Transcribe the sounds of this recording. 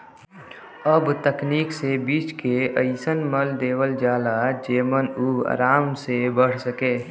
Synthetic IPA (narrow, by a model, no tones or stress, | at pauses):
əbt̪əkniːksebiːt͡ʃkeəɪsənməld̪eːwəld͡ʒaːlad͡ʒeːmənua̰ːɾaːmsebəɽ̤səkeː